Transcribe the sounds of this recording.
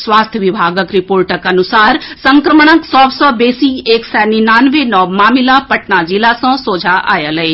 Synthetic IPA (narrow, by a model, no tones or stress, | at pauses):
sʋaːst̪ʰjəʋɪbʱaːɡəkɾɪpoːɾʈəkɐnʊsaːɾsə̃ŋkɾəməɳ̃əksɔːbsɔbeːsieːksɛːninaːnʋenɔmaːmɪlapɐʈnad͡ʒilasãsoːd͡ʒʱaʔa̰ːjəlee